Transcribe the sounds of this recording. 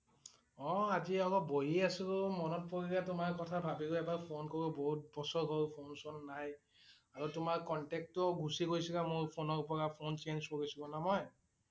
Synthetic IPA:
ɔ̃aziɔkɔbojiasʊʊmɔnɔt̚poɹikatʊmaɹkɔtʰabʱabiɡuɛbaɹpʰonkoɹuboɦut̚bɔsɔɹɦɔɹpʰonsɔnːaj | aɹutʊmaɹkɔntɛk̚tɔɡʱusikojsikamoɹpʰonɔɹupɔɹapʰont͡ʃenskoɹisukɔnamɔj

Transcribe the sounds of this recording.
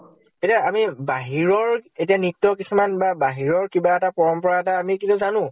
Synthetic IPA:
etiaːmibaɦiɹɔɹetianitːɔkisumanbabaɦiɹɔɹkibaɛtapɔɹɔmpɔɹaɛtaːmikitɔzanʊ̃

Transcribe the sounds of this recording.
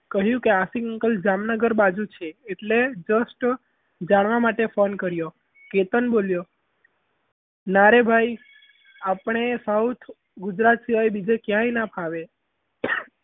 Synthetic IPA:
kəɦjũkeasikəŋkəld͡ʒamnəɡəɾbad͡ʒut͡ʃʰeːʈled͡ʒəsʈ | d͡ʒaɽ̃ʋamaʈefonkəɾjo | ket̪ənboljo | naɾebʱaj | apɳ̃esəwt̪ʰ | ɡʊd͡ʒɾat̪siʋajbid͡ʒekjãinapʰaʋe

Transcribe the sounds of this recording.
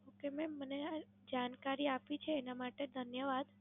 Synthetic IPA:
okemẽmənea | d͡ʒankaɾiapit͡ʃʰeːnamaʈed̪ʱənjəʋad̪

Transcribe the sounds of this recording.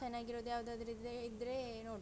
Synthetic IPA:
ɐnaːɡiɾoːd̪ujaːʋɐd̪od̪ɐɾid̪eid̪ɾe | noːɽ

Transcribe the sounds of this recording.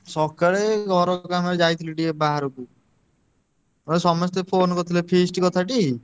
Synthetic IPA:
sɔkaɭeɡʱɔɾɔkamɔɾed͡ʒajt̪ʰileʈiebaɦaɾoku | ɔesɔmɔst̪epʰonkɔt̪ʰilepʰesʈkɔt̪ʰaʈi

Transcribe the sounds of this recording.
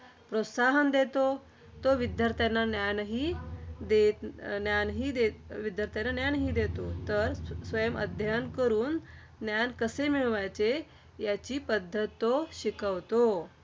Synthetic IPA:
pɾot̪saɦənd̪et̪o | t̪oʋid̪ʱjəɾt̪ʰjanːanjanɦiːd̪et̪njanɦiːd̪eʋid̪ʱjəɾt̪ʰjanːanjanɦiːd̪et̪ot̪əɾsʋəjəmə̰d̪ʱjankəɾuːn | njankəsemiɭʋajt͡se | jat͡ɕiːpəd̪ʱːət̪ːoɕikəʋt̪o

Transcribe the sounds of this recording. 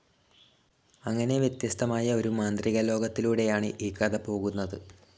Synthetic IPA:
ɐŋːɐne̞ʋjɐt̪jɐst̪ʰɐmaːjɐo̞ɾumaːnd̪riɣɐlo̞ːɡɐt̪ːiluːɽe̞jaːɳɨʔiːkːɐd̪ɐpo̞ːɣunːɐðɨ

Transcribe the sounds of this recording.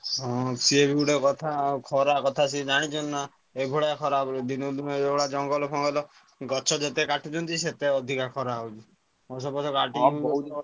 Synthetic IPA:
ɦɔ̃siebʱiuɽekɔt̪ʰakʰɔɾakɔt̪ʰasid͡ʒaɽ̃it͡ʃʰɔnna | ebʱɔɽakʰɔɾabɔld̪inɔd̪unɔebɔɽad͡ʒɔŋɡɔlɔpʰɔŋɡɔlɔ | ɡɔt͡ʃʰɔd͡ʒet̪ekaʈʰut͡ʃʰɔnt̪iset̪eɔd̪ʱikakʰɔɾaut͡ʃʰi | ɔs̬ɔbɔt͡ʃʰɔkaʈiɔu

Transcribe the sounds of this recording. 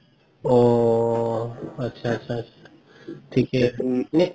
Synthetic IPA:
o | ɐtːɕʰaɐtːʃʰaətːʃʰa | ʈʰiːkɦɛne

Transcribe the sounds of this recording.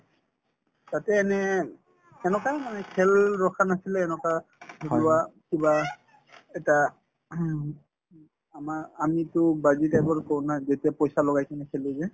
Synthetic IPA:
tatɛːnɛ | ɛnɔkajmanɛkʰɛlɹɔkʰanasilɛːnɔkaʊakiba | ɛta | amaamitʊbazitajbɔɹkownazetiapɔjsalɔɡajkinɛkʰɛlɛzɛ

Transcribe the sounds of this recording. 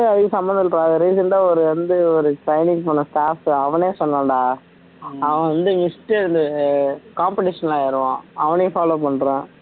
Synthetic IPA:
ɯɐðɯkɯsɐmbɐnd̪ɯʈːɾaːðɐɾiːsɐnɖaːɔɾɯʋɐnd̪ɯɔɾɯsɐɪnɪŋpɐnːɐsʈaːfɐʋɐneːsɔnːɐ̃ːɳɖaː | ɐ̃ʋɐ̃ʋɐnd̪ɯmɪsʈːeɾnd̪ɯkaːmpɪʈɪʂɐnɐlaːɪɾɯʋãːɐʋɐneːfaːloːpɐɳːɾẽː

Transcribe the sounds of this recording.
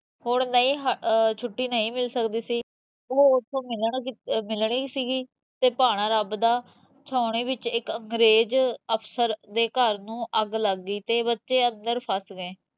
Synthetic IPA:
ɦoɳnəĩːɦət͡ʃʰʊʈːiːnəĩːmɪlsəkd̪iːsiː | oːʊt̪ʰːõːmɪləɳmɪlɳiːsiːɡiː | t̪eːpaːɽ̃ãːɾəbd̪aː | t͡ʃʰaːʊɳiːbɪt͡ʃɪkəŋɡɾeːd͡ʒəpʰsəɾd̪eːkəɾnũːʔəɡləɡiːt̪eːbətːʃeːənd̪əɾpʰəsɡẽː

